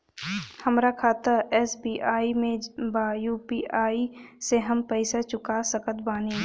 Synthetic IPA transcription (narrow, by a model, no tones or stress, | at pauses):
həmɾakʰaːt̪əɾɛːsbiːʔaːimẽbaːjuːpiːʔaːiseɦəmpɛɪsat͡ʃʊkasəkət̪̚baːni